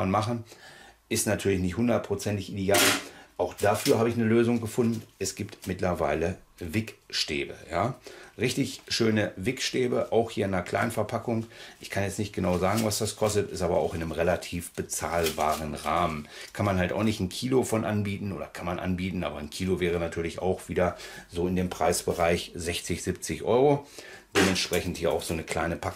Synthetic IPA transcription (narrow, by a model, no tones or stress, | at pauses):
anmaχn̩ʔɪstnatʰyːɐlɪçnɪçthʊndɐt̚pʁ̥ot͡sɛntɪçʔideaːlʔaʊxd̥afyːɐɦaːbəɪçnəløːzʊŋɡəfʊndn̩ʔɛsɡ̥iːptmɪtlɐvaɪlə | vɪkʃteːbə̰jaːʁɪçtɪçʃøːnəvɪkʃteːbəʔaʊxhiːɐɪnɐkl̥a̰ɪnənfɛɐpʰakʊŋʔɪçkʰanjɛt͡snɪçt̚ɡ̥ənaʊzaːɡŋ̩vasd̥askʰɔstətɪ̰stʔaːbɐa̰ʊxʔɪnəmʁelatʰiːfb̥ət͡saːlbaːʁənʁaːmənkʰanmanɦalta̰ʊxnɪçtn̩kʰiːlofɔnʔanbiːtn̩ʔo̰ːdɐ̰kʰanmanʔa̰nbiːtn̩ʔa̰ːbɐnkʰiːlovɛːʁ̞ənatʰyːɐlɪça̰ʊxv̥iːdɐzoːɪndeːmpʁ̥aɪsb̥əʁaɪçzɛçt͡sɪçz̥ɪp̚t͡sɪçʔɔʏʁod̥eːmɛntʃpʁ̥ɛçn̩thiːɐʔaʊxz̥oːnəkʰl̥a̰ɪnəpʰak